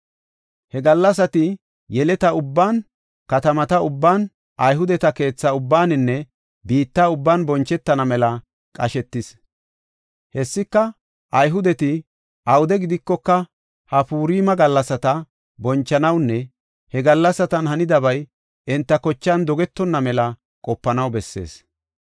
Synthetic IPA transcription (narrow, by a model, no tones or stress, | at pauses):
hɛɡɐlːɐs̬ɐt̪ɪ | jɛlɛt̪ɐʊbːaːn | kɐt̪ɐmɐt̪ɐʊbːaːn | ʔɐjɦʊd̪ɛt̪ɐke̞ːt͡sːɐʊbːaːnɪnːɛ | biːt̪ːaʊbːaːnbɔnt͡ʃːɛt̪ːɐnɐmɛlɐ | kʼɐʃɛt̪ːɪs | hɛsːɪkːɐ | ʔɐjɦʊd̪ɛt̪ɪ | ʔɐwʊd̪ɛɡɪd̪ɪkːɔkːɐ | hɐpuːɾiːmɐɡɐlːɐsɐt̪ɐ | bɔnt͡ʃːɐnɐwnːɛ | hɛɡɐlːɐsːɐt̪ɐnɦɐnɪd̪ɐbɐj | ʔɪnt̪ːɐkɔt͡ʃːɐnd̪ɔɡɛt̪ːɔnːɐmɛlɐ | kʼɔpːɐnɐwbɛsːe̞̰ːs